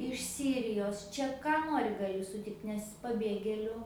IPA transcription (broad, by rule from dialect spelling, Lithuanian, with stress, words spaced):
ɪʃ ˈsʲiːrʲɪjoːs ˈt͡ʃʲɛ ˈkɑː ˈnoːrʲɪ ɡɐˈlʲɪ sʊˈtʲɪkt nʲɛs pɐˈbʲeːɡʲeːlʲʊ